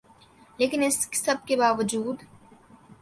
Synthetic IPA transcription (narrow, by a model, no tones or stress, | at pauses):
leːkɪnɪskːɐb̚kebaːʋəd͡ʒuːd̪